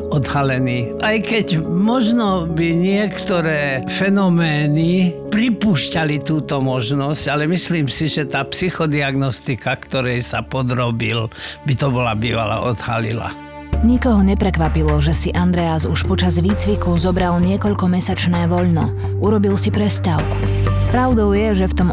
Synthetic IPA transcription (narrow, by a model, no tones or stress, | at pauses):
ɔd̪halɛniːʔajkɛcmɔʒnɔbiɲɪɛkt̪ɔɾɛːfɛnɔmɛːnipɾipuːʃcalit̪uːt̪ɔmɔʒnɔscalɛmisliːmsiʒɛt̪aːpsixɔd̪iaɡnɔst̪ikakt̪ɔɾɛjsapɔd̪ɾɔbilbit̪ɔbɔlabḭːʋa̰la̰ʔɔd̪ha̰lḭla̰ | ɲikɔɦɔɲɛpɾɛkʋapilɔʒɛsiʔand̪ɾɛaːzuʃpɔt͡ʃazʋiːt͡sʋikuzɔbɾalɲɪɛkɔʎkɔmɛsat͡ʃnɛːʋɔʎnɔ | uɾɔbilsipɾɛst̪aʊku̥ | pɾaʊd̪ɔʊjɛʒɛft̪ɔm